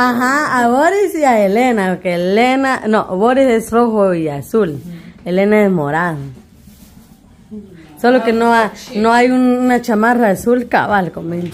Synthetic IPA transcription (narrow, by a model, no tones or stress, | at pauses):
aɦaaβoɾisjaelenakelenanoβoɾisesroxoiasulelenaesmoɾaðo | solokenoanoajunnat͡ʃamaɾasulka̰βalkomil